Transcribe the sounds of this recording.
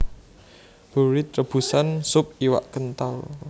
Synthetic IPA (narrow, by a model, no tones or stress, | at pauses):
b̥ṳɾɪt̪̚rəb̥ṳsansʊp̚iwa̰ʔkənt̪al